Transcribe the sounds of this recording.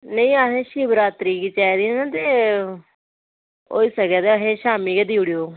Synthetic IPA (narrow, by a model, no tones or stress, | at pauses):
nəĩːəɦẽːʃiːbɾaːt̪ɾiːkiːt͡ʃaːid̪iãːnãːt̪eː | o̰ːiːsəkɛːt̪eːəɦẽːʃaːmĩːked̪iːʊɽijoː